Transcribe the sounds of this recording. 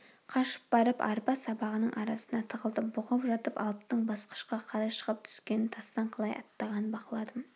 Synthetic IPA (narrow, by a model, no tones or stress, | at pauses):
qʰɑʃə̥p̚bɑɾəpɑ̰ɾpɑsɑbɑʁənəɴʔɑɾɑsənɑt̪ʰəʁəlˠd̪əbʊʁəpʒɑt̪əpɑ̰lˠp̚t̪əɴbɑsqə̥ʃqɑqʰɑɾɑjʃə̥ʁəp̚t̪ʰʏ̥skʲenɪnt̪ʰɑst̪ɑɴqʰɑlˠɑjɑ̰t̪ːɑʁɑnənbɑqəlˠɑd̪əm